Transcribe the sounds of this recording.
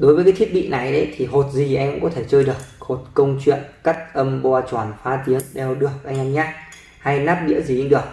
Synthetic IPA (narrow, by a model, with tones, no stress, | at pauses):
ɗo˨˦jvəː˨˦jkaː˨˦t̪ʰt̚ɓḭ˧˨na˨˩jɗə̰˨˦jt̪ʰi˨˩ɦo˨˩t̚zi˨˩ʔɛ˧mkʊ̰˧˥kɔ˨˦t̪ʰe˧˩t͡ɕəː˧jɗɨ˨˩ək̚ho˨˩t̚kə˧wŋ͡mt͡ɕwḭ˧˨ənka˦˥k̚ʔə˧mɓɔ˧t͡ɕwaː˧˩nfaː˨˦t̪i˨˦əŋɗɛ˨˩wɗɨ˨˩ək̚ʔa˧jŋʔa˧nɲaː˦˥t̚ | ha˧jnaː˦˥p̚ɗḭ˧˥əzi˨˩i˧nɗɨ˨˩ək̚